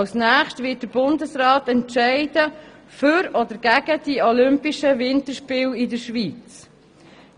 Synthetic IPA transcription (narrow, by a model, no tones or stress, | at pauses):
snæːχʃtʋɪt̚d̥əɾb̥ʊndəsrɑːtɛntʃɛɪd̥ə | fʏɾɔdəɾɡ̥æɡ̥əd̥iɔlʏmpiʃəvɪntəɾʃpɪːlɪdəɾʃʋiːt͡s